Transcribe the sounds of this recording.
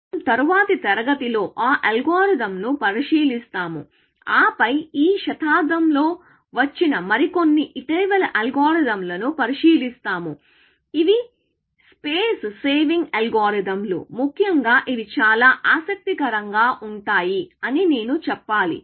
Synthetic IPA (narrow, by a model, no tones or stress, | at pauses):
mt̪ɐɾuʋaːt̪it̪ɛɾɐɡɐt̪ilo̞ːʔaːʔɐlɡoːɾid̪ɐmnupɐɾiʃiːlist̪aːmṵ | aːpɐjiːʃɐt̪ʰaːd̪ɐmlo̞ː | ʋɐt͡ʃːinɐmɐɾiko̞nːiʔiʈɐːʋɐlɐlɡaːɾid̪ɐmlɐnupɐɾiʃiːlist̪aːmu | iʋi | speːsseːʋiŋɡɐlɡaːɾid̪ɐmlo̰mukʰjɐŋɡaːʔiʋit͡ʃaːlaːʔaːsɐk̚t̪ikɐɾɐŋɡaːʔuɳʈaːjiɐnine̞ːnut͡ʃɛpːaːlḭ